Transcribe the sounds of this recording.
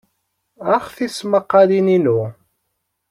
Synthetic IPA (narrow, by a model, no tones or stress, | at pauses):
æχθisməqːɑlininu